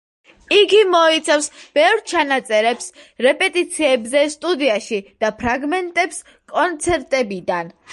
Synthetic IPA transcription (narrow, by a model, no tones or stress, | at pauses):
iɡimɔit̪sʰafsb̥ɛvɾt͡ʃʰanat̪sʼɛɾɛpsɾɛpʼɛt̪ʼit̪sʰiɛbzɛst̪ʼud̪iaʃid̪̥apʰɾaɡmɛnt̪ʼɛps | kʼɔnt̪sʰɛɾt̪ʼɛbid̪an